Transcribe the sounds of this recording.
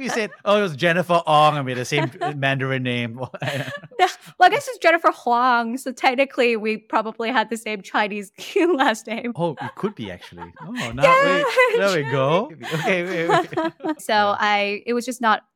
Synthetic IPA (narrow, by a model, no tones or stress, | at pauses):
jɨsɛd̚ʔoʊɪt̚wʌzd͡ʒɛnɨfə˞ʔɔ̃ŋaɪmeɪðɨsẽɪ̃mmæ̃ndə˞ɨ̃nːẽɪ̃m | nlaɪkaɪsd͡ʒ̥ʌsd̥ʒ̥ɛnɨfə˞hɔ̃ŋsoʊtʰɛk̚nɨkʰliwipʰɹ̥ɑbəbliɨd̪̚ðɨsẽɪ̃mt͡ʃʰãɪ̃nizkʰʉlæstnẽɪ̃moʊɪt̚kʰɨd̚bḭæ̰k̚t͡ʃul̩ˠḭonæəwɪɡoʊioʊkeɪ | soʊʔaɪɪt̚wʌzd͡ʒʌsnət̚